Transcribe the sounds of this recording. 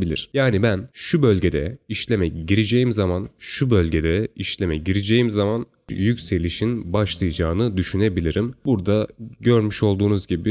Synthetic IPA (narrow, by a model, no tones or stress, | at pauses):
bilʲḭɾ̥jaːnibænʃubø̞lʲɟe̞d̪ɛiʃlʲe̞mɛɟiɾed͡ʒe̞jimzamanʃubølʲɟe̞d̪ɛiʃlʲemɛɟiɾid͡ʒe̞jimzaman | jycse̞lʲiʃinbaʃlˠɯjɯd͡ʒaːnɯd̪yʃyne̞bilʲiɾimbuɾd̪aɟø̞ɾmyʃo̞lˠd̪uːnuzɟibi